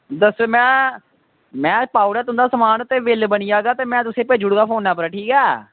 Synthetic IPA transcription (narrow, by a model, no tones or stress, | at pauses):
d̪əseːmɛ̃ː | mɛ̃ːpaːʊɾɛːt̪ʊnd̪aːsəmaːnt̪eːʋɪlbəniːjaːɡaːt̪eːmɛ̃ːt̪ʊsẽːpeːd͡ʒʊɽɡaːpʰoːnːãːpəɾːʈʰiːkɛː